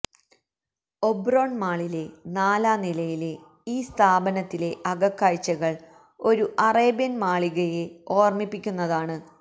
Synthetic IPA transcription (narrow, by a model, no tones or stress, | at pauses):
o̞bro̞ːɳmaːɭile̞naːlaːnilɐjile̞ | iːst̪ʰaːbɐnɐt̪ːile̞ʔɐɡɐkːaːjt͡ɕːɐɣɐɭ | o̞ɾuʔɐreːbjɐnmaːɭiɣɐjeo̞ːrmipːikʲːunːɐðaːɳɨ